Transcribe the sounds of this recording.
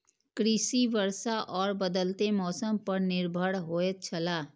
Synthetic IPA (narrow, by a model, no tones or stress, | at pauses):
kɾɪsiʋəɾsaʔɔːɾbəd̪əlt̪emɔːsəmpəɾnɪɾbʱəɽɦoːet͡ʃʰəlaː